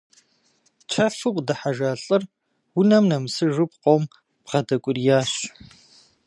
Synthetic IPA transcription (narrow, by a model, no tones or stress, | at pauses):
t͡ʃʷʰɐfɨqʷʼdɐħaʒaːɬʼɨr | wʊnɐmnɐmɨsɨʒʊp̚qʷom | pʁɐdɐkʷʼʊrjaːɕ